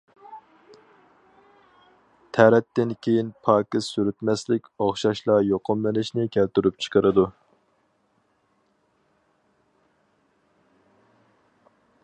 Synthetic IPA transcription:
t̪ʰɛɾɛt̪ːɪnkʲʰejinpʰɑːkʲɪssyɾyt̪mɛslɪkʲɑχʃɑʃlˠɑjoqʰʊmlɨnɪʃnɪkʲʰælt̪yɾyp̚t͡ʃʰə̥qʰəɾɨd̪u

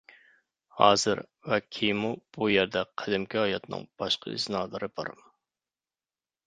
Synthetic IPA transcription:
hɑ̰ːzɨ̰ɾwɛkʲʰijmub̥ujɛɾd̪ɛqʰɛd̪ɪmkʲiɑjɑt̪nɨ̰ŋb̥ɑʃqʰə̰ḭznɑːlˠɨɾɨbɑ̰ɾm

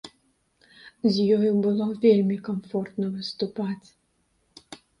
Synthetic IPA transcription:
zʲjɔjʊbɨlˠɔvʲelʲmʲikɐmfɔrt̪nɔvɨst̪ʊpatʲ

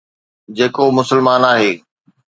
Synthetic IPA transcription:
d͡ʑeːkomʊsəlmaːnaːɦeː

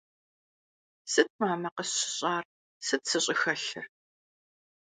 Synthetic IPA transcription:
sɨt̚ʰmaːmɐqəsɕɪɕʼaːr | sɨtʰsɨɕʼɪxɐɬɨr

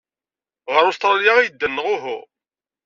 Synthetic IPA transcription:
ʁəɾˤʊst̪ɾˤjaʁijəd̪ːənːəʁʊɦʊ̰

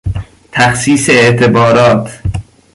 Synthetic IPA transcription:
t̪ʰæxsiːseeʔt̪ʰebɒːɾɒːt̪ʰ

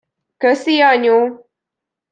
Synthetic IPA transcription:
kəsijaɲõ

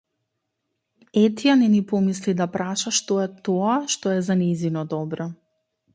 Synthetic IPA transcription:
ɛt̪ijanɛnipɔmislid̪apɾaʃaʃt̪ɔɛt̪ɔaʃt̪ɔɛzanɛzinɔd̪ɔbɾɔ

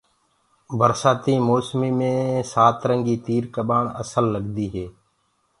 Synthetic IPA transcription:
ʋəɾsaːt̪iːmoːsmiːmẽːsaːt̪ɾəŋɡiːt̪iːɾkəɓaːɳə̰səlːəɠd̪iːɦeː

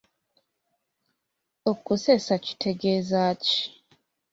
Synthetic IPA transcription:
okusesaci̥tʰeɡezaci̥

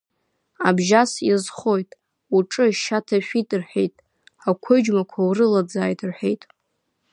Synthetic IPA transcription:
a̰bʒasizχo̞jtʼ | uʈ͡ʂʼɨʃatʰaʃᶣitʼɨrħᶣe̞̰jtʼ | akʷʰod͡ʒmakʷʰawrɨlad͡zaːjtʼʰɨrħᶣe̞̰jtʼ

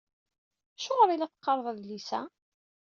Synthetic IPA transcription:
æʃʊʁəɾˤilæt͡sːqːɑɾˤðˤæðlisæ̰

